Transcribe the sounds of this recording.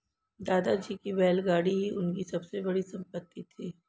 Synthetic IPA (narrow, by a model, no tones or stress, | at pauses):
d̪aːd̪ad͡ʒiːkibɛːlɡaːɽiɦiʔʊnkisɐbsebɐɽisɐ̃mpət̪ʰːit̪ʰiː